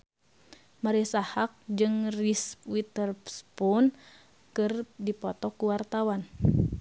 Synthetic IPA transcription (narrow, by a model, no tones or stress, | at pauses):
maɾisahak̚d͡ʒɨŋrispwit̪ərpspun | kɨrdipɔt̪ɔkuwart̪awan